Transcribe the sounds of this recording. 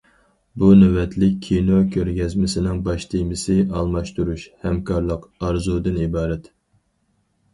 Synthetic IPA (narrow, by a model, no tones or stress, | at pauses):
bunɛwɛt̪ʰlɪkʲːʰinokʲʰøɾɡʲɛzmɪsɪnɪŋbɑʃt̪ʰimɪsɪɑlˠmɑʃt̪uɾuʃhɛmkʰɑɾlˠəqɑɾzud̪ɨnibɑːɾɛt̪